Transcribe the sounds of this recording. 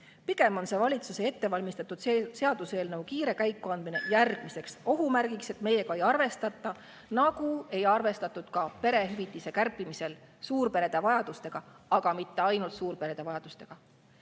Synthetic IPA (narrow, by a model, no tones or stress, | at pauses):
piɡ̥e̞mo̞nse̞vɑlʲit̪suse̞e̞t̪ːe̞vɑlʲmist̪ɑt̪ːˑud̪̥se̞ɑd̪̥use̞ːlnɤwkiːɾe̞kæjkːˑuɑnd̪̥mine̞̰jærɡ̥mise̞kso̞ɦumærɡ̥ikse̞t̪me̞je̞ɡ̥ɑe̞jɑrve̞st̪ɑt̪ːˑɑ | nɑɡ̥ue̞jɑrve̞st̪ɑt̪ˑːud̪̥kɑpe̞ɾe̞ɦyvit̪ˑːise̞kærpːˑimise̞lsuːrpe̞ɾe̞d̪̥evɑjɑd̪ust̪e̞ɡ̥ɑɑɡ̥ɑmit̪ːe̞ɑjnult̪suːrpe̞ɾe̞d̪̥evɑjɑd̪̥ust̪e̞ɡ̥ɑ